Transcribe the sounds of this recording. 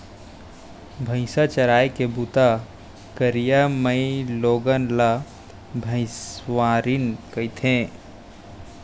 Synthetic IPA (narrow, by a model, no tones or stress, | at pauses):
bʱə̃ɪ̃sat͡ʃəɾaːjkebut̪a | kəɾijamə̃ɪloːɡənla | bʱə̃ɪ̃sʋaːɾinkəɪt̪ʰẽ